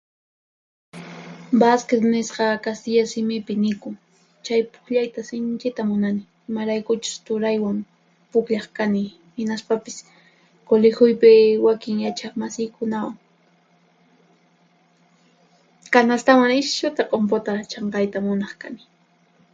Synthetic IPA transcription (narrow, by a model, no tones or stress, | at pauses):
basket̪nɪsqɑkast̪ɪjasɪmɪpɪnɪkʊŋ | t͡ʃajpʊ̥kʎajt̪asɪnt͡ʃɪt̪amʊnanɪ | ɪmaɾajkʊt͡ʃʊ̥st̪ʊɾajwaŋ | pʊkʎɑχkanɪ | hɪnaspapɪs | kolɪxʊjpɪwakɪŋjat͡ʃɑχmasɪjkʊnawaŋ | kanast̪awaŋɪʃʊt̪aqʼompot̪at͡ʃɑɴqɑjt̪amʊnɑχkanɪ